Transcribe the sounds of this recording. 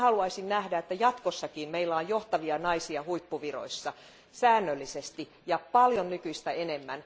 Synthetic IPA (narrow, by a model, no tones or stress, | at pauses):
hɑluɑisinnæhdæet̪ːæjɑt̪kosːɑkiːmmeilːæojjoht̪ɑʋiɑnɑisiɑhuipːuʋiro̰isːɑ | sæːnːølːisest̪i | jɑpɑljonnykyist̪æenemːæn